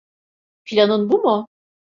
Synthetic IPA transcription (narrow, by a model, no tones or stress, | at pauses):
pʰilʲanɯnbumʊ